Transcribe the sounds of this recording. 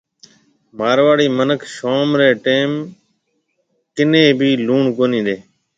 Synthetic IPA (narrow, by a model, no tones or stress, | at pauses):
maːɾʋaːɽiːmənəkʰʃoːmɾeːʈeːm | kɪnẽːbʱiːluːɳkoːnĩːd̪eː